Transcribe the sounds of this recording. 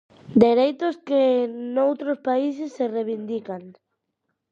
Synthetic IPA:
d̪eɾejt̪ʊskenowt̪ɾospais̬ɪsːereβind̪ikaŋ

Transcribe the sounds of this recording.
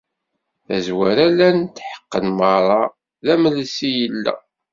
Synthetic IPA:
æzwæɾælænt̪ːħə̥qːənməɾˤɑ | ðæməlsijəlːæ̰

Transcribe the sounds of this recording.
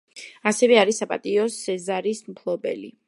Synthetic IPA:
asɛvɛaɾisapʼa̰t̪ʼiɔsɛzaɾismpʰlˠɔbɛ̰lḭ

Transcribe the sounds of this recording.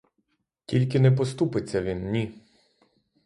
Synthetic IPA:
tʲilʲkɪnɛp̬ɔst̪upɪt͡sʲːɐʋʲinnʲi

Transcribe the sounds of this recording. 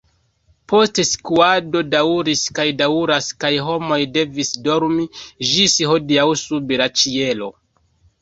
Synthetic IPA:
po̞steskuado̞dauɾiskajdauɾaskajɦo̞mo̞jde̞visdo̞ɾmiʒisiho̞diawsubeɾat͡ʃie̞lo̞

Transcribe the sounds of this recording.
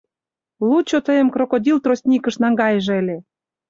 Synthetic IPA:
lut͡ɕot̪əjə̆mkrokod̪ʲilt̪rosʲnʲikə̆ʃnɑŋɡɑjəʒelʲe

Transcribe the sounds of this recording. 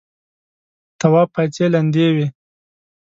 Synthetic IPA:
t̪awɑpat͡seland̪ewi

